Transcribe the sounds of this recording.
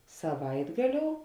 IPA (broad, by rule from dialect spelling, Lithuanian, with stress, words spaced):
sɐˈʋɐɪdɡɐˌlʲoːʊ